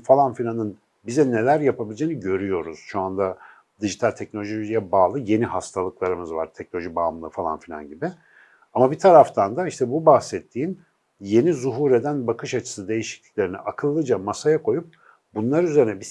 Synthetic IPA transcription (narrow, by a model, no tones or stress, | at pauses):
falˠanfilʲanɯn | bizɛne̞lʲæɾjapʰabilʲid͡ʒeːniɟø̞ɾyjo̞ɾuz̥ʃoand̪a | d̪iʒit̪ʰalʲt̪ʰɛc̚nolʲoʒijɛbaːlˠɯje̞niɦast̪ʰalˠɯklˠaɾɯmɯzva̰ɾt̪ʰɛcnolʲoʒibaːmlˠɯfalˠa̰nfilʲa̰nɟibɪ | amabit̪ʰaɾaft̪ʰand̪aiʃt̪ʰɛbubahsɛt̪ʰːiːn | je̞nizuɦuːɾed̪ænbakʰɯʃat͡ʃʰɯ̥sɯd̪e̞jiʃi̥clʲi̥cʲlʲe̞ɾinɛ̰ʔakʰɯlˠːɯd͡ʒamasajakʰo̞jup̚ | bunlˠaɾyzeɾinɛbi